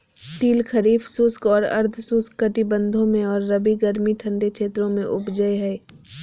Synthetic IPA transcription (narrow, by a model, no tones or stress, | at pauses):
t̪iːlkʰɐɾiːfsʊskɔːɾɐ̰ɾd̪ʰsʊskːɐʈibə̃nd̪ʱõmẽɔːɾːɐbiɡɐɾmiʈʰɐ̃ɳɖekʃʰeːt̪ɾõmẽʔʊbd͡ʒəeɦɛː